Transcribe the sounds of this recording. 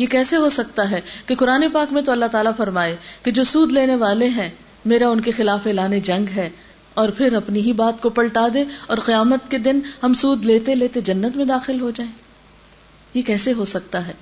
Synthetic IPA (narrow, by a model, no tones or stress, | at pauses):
jekɛːseɦosɐk̚t̪aɦɛkeqʊɾaːnepaːkmẽt̪oɐlːaɦt̪aːlafɐɾmaːeked͡ʒoːsuːd̪leːneʋaːleɦɛ̃ | meːɾaʊnkexɪlaːfeːlaːned͡ʒɐ̃ŋɡɦɛː | ɔːɾpʰɪɾɐpniɦibaːt̪kopɐɭʈaːd̪eɔːɾqijaːmət̪ked̪ɪnɦɐmsuːd̪leːt̪eleːt̪ed͡ʒɐnːət̪mẽd̪aːxɪlɦod͡ʒaːẽː | jekɛːseɦosɐk̚t̪aɦɛː